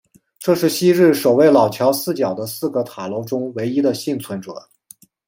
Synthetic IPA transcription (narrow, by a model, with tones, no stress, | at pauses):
ʈ͡ʂɤ˥˧ʂɻ̩˥˩ɕi˥ɻɻ̩˥˩ʂo˨˩ʊwe˥˩ɪlɑ˨˩ʊt͡ɕʰjɑ˧˥ʊsɹ̩˥˩t͡ɕjɑ˨˩ʊd̪ə˦sɹ̩˥˩ɡə˩t̪ʰa˨˩lo˧˥ʊʈ͡ʂʊ˥ŋwe˧˥ɪi˥d̪ə˨ɕi˥˩nt͡sʰwə˧˥nʈ͡ʂɤ̰˨˩˦